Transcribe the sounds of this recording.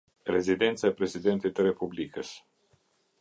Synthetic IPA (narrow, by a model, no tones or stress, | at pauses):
ɾḛzid̪ent̪sapɾezid̪ent̪ejt̪əɾepublikəs